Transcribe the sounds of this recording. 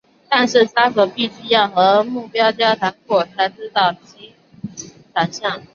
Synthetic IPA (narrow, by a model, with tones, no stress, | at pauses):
t̪a˥˧nʂɻ̩˥˩sa˥kɤ˨˩pi˥˩ɕy˥jɑ˥˩ʊxɤ˧˥mu˥˩pjɑ˥ʊt͡ɕ̪jɑ˥ʊt̪ʰa˧˥ŋkwɔ˥˩t͡sʰa˧˥ɪʈ͡ʂɻ̩˥t̪ɑ˥˩ʊt͡ɕi˥ | ʈ͡ʂa˨˩nɕjɑ˥˩ŋ